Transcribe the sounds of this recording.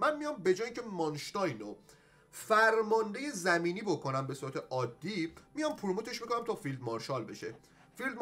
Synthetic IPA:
mænmijɒmbe̞d͡ʒɒːjiŋcʰe̞mɒnʃt̪ɒjno | fæɾmɒnd̪e̞je̞zæmiːniːbo̞kʰo̞næmbesuːɾæt̪ʰe̞ʔɒːd̪ːimijɒmpʰuɾmut̪ʰe̞ʃmiko̞næmt̪ʰɒfild̪mɒɾʃɒlbeʃe | fild̪m

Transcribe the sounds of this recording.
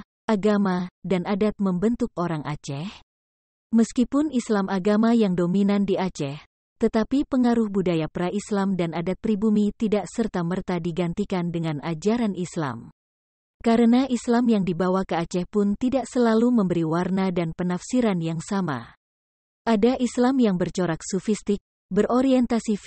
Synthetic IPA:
aɡamadanadat̪̚məmbənt̪ʊk̚oɾaŋʔa̰t͡ʃɛh | məskipʊnislamʔaɡamajaŋdominandiat͡ʃɛh | t̪ət̪apipəŋaɾʊhbudajapəɾaʔislamdanadat̪̚pɾibumit̪idaʔsərt̪amərt̪adiɡant̪ikandəŋanad͡ʒaɾanisla̰m | kaɾənaʔislamjaŋdibawakəat͡ʃɛhpʊnt̪idaʔsəlaluməmbəɾiwarnadanpənafsiɾanjaŋsama̰ | ʔadaʔislamjaŋbərt͡ʃoɾak̚sɔfist̪ɪk̚ | bərʔoɾiɛnt̪asi

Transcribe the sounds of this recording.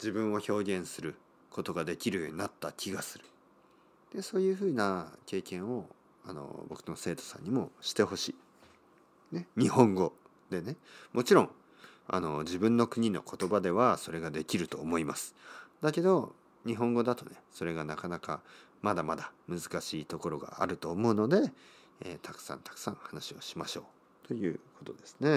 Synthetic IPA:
d͡ʑibɯ̟̃ɰ̃o̞ço̞ːɡʲẽ̞ɰ̃sɨɾɯ̟ | kʰo̞t̪o̞ɡad̪e̞kʲiɾɯ̟jo̞ɲ̟inat̪ːakʲʰiɡasɨɾɯ̟̥ | d̪̥e̞so̞ːjɯ̟ːɸɯ̟ːnake̞ːkẽ̞ɰ̃o̞ | ano̞̰bo̞kɯ̟no̞se̞ːt̪o̞̥sã̰ɲ̟ːimo̞ɕi̥t̪e̞ho̞ɕiː | ne̞ɲ̟ihõ̞ŋɡo̞ | d̪̥e̞nemo̞t͡ɕiɾõ̞ŋ | a̰no̞d͡ʑibɯ̟̃nːo̞kɯ̟ɲ̟ino̞̰ko̞t̪o̞bad̪e̞βaso̞ɾe̞ɡad̪e̞kʲiɾɯ̟t̪o̞ːmo̞imasɨ̥d̪ake̞d̪o̞ | ɲ̟iɦõ̞ŋɡo̞d̪at̪o̞ne̞so̞ɾe̞ɡanakanaka | mad̪amad̪amɯ̟zɨkaɕiːt̪o̞ko̞ɾo̞ɡa̰a̰ɾɯ̟t̪o̞ːmo̞ɯ̟no̞d̪e̞ | ḛːt̪ʰakɯ̟̥sã̰nt̪ḁkɯ̟̥sã̰ŋ̃hanaɕio̞ɕimaɕo̞ː | t̪o̞jɯ̟ːko̞t̪o̞d̪e̞sɨ̥ne̞

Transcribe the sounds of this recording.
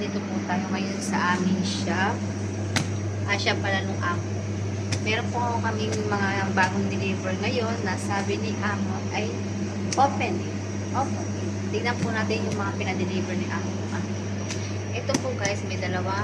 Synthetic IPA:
nɪt̪opʊt̪aːjoŋɐjo̞nsɐʔaːmɪnʃa | ʔɐʃapɐlanʊŋʔaːko | mɛːɾonpoŋɐmɪŋmɐŋabaːɡoŋd̪ɪlibɛɹŋɐjo̞nːɐsaːbɪnɪʔaːmoʔɐj | ʔoːpɛnɛ | ʔoːpɛn | t̪ɪɡ̚nɐnpʊnaːt̪ɪnjʊŋmɐŋapɪnɐd̪ɪlijbɛɹnɪʔaːkopoʔano | o | ʔɛt̪opoɡaɪsmɐjd̪ɐlɐwa

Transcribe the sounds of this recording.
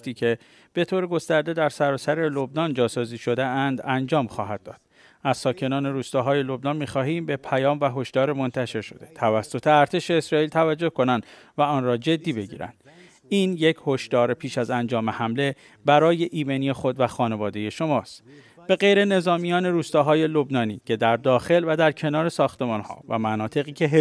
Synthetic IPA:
t̪iːcʰe̞ | b̥e̞t̪ʰoːɾeɡo̞st̪æɾd̪e̞d̪æɾsæɾɒːsæɾe̞lo̞bnɒnd͡ʒɒːsɒːziːʃo̞d̪eænd̪ænd͡ʒɒːmxɒːɦæd̪̚ːɒ̰ːd̪̥̚ | æzsɒːcʰe̞nɒːne̞ɾuːst̪ɒːɦɒːje̞lo̞bnɒnmiːxɒːɦiːmbe̞pʰæjɒːmvæɦo̞ʃd̪̥ɒːɾemo̞nt̪ʰæʃe̞ɾʃo̞̰d̪e̞̥t̪ʰævæsːo̞t̪ʰeæɾt̪ʰe̞ʃe̞ːsɾɒːiːlt̪ʰævæd͡ʒːo̞hko̞nænd̪̥ | væɒːnrɒːd͡ʒe̞d̪ːiːbe̞ɟḭːɾæ̰nd̪̥ | iːnje̞cʰho̞ʃd̪ɒːɾepʰiːʃæzænd͡ʒɒːme̞hæmle̞ | bæɾɒːje̞ʔiːmeniːexo̞d̪væxɒːne̞vɒːd̪e̞je̞ʃo̞mɒːst̪ | b̥e̞ɣejɾe̞ne̞zɒːmijɒːne̞ɾuːst̪ɒːɦɒːje̞lo̞bnɒːniːcʰe̞d̪æɾd̪ɒːxe̞lvæd̪æɾcʰe̞nɒːɾe̞sɒːxt̪e̞mɒːnhɒ̰ːvæ̰mænɒːt̪ʰe̞ɣiːcʰe̞ɦ

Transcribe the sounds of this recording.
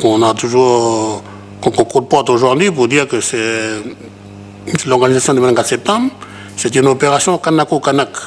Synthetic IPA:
kɔ̃nat̪uʒuʁ | kɔ̃kɔ̃kut̪̚pɔt̪oʒuʁd̪ɥip̬uʁd̪iʁkəse | slɔʁɡanizasjɔ̃d̪emɛlŋɡad̪sɛp̚t̪ãm | set̪ynopeʁasjɔ̃kanakukanak

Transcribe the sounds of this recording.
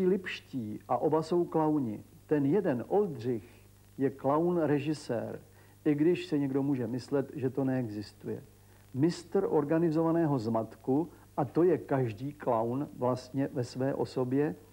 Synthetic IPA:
iːlɪpʃciːʔaʔo̞baso̞wklawɲɪ̰ | t̪ɛnjɛdɛnʔo̞ld̪r̝ɪx | jɛklawnɾɛʒɪsɛ̰ːɾ | ʔɪɡdɪʃsɛɲɛɡdo̞muːʒɛmɪslɛt̪ʒɛt̪o̞nɛɛɡzɪst̪ujɛ̰ | mɪst̪ɾʔo̞ɾɡanɪzo̞vanɛːɦo̞zmat̪ku | ʔat̪o̞jɛkaʒdiːklawnvlast̪ɲɛvɛsvɛːʔo̞̰so̞bjɛ

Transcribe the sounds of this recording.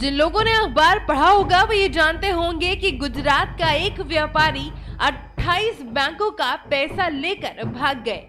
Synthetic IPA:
d͡ʒɪ̃nloːɡõneɐxbaːɾpɐɽ̤aɦoːɡaʋɐjed͡ʒaːnt̪eɦõːŋɡekiɡʊd͡ʒɾaːt̪̚kaeːkʋjaːpaːɾiɐʈʰːaːiːsbɛ̃ːŋkõkapɛːsaleːkəɾbʱaːɡːɐḛː

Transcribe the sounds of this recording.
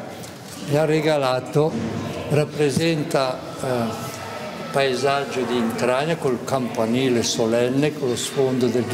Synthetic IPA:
miareɡalaːt̪orapːɾezɛnt̪a | paezad͡ʒːod̪iːnt̪ɾaɲakolkampaniːlesolɛnːekolosfond̪od̪el

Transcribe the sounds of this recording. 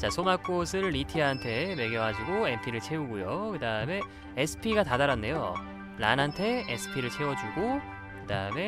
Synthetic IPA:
t͡ɕasʰomak͈os̬ʰɯɭːitʰiaantʰe̞me̞ɡjʌwad͡ʑuɡoempʰiɾɯɭt͡ɕʰe̞uɡujokɯdaɯme̞ː | sʰɯ̥pʰiɡatadaɾanːe̞jo̰ | ɾanɦantʰe̞esʰɯ̥pʰiɾɯɭt͡ɕʰe̞wʌd͡ʑuɡo | kɯdaɯme̞

